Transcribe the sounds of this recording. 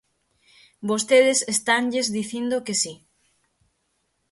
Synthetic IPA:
bost̪eðesest̪aŋʎezðiθind̪okesi

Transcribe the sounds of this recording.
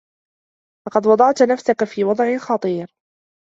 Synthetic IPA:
lɑqɑd̪wɑd̪ˤɑʕt̪nafsakafiːwɑd̪ˤʕɪxɑt̪ˤiːɾ

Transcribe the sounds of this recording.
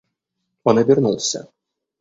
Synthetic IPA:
ɔnɛbʲirnulˠsʲɐ̰

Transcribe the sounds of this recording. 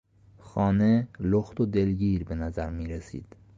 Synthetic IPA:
xɒːneloxt̪od̪elɟiːɾbenæzæɾmiːɾesḭːd̪̥

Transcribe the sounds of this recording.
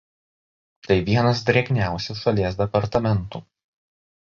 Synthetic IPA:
t̪ɐɪʋʲiɛnɐsd̪ʲɾʲɛɡʲnʲæˑʊsʲɛsʃɐlʲiɛs̬d̪ʲɛpɐɾt̪ɐmʲɛnt̪uː

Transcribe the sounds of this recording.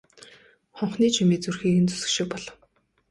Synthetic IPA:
χɔɴχniːt͡ɕʰimeːt͡surxiːɘ̆nt͡su̥sɘ̥̆kʃɪ̆k̚pɔɮɞ̆w

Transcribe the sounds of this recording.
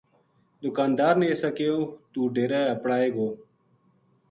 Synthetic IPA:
d̪ʊkaːnd̪aːɾneːsaːkeːjõːt̪uːɖʱeːɾɛːəpɽaːeːɡoː

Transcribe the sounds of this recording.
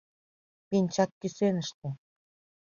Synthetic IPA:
pinʲt͡ɕɑkːysenəʃt̪ĕ

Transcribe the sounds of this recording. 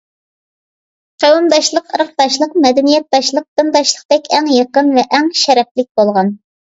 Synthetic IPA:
qʰewumd̪ɑʃlˠəqəɾəq̚d̪ɑʃlˠəqmɛd̪ɛnijɛt̪̚ːɑʃlˠəq̚d̪ɨnd̪ɑʃlˠə̥qd̪ɛkʲʰɛŋjəqənvɛʔːŋʃɛɾɛp̚lɪk̚ʲbolˠʁɑn

